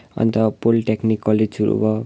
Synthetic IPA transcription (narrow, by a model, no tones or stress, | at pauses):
ʌ̰nt̪ʌpolʈeknikːʌlesʰuɾṵbʌ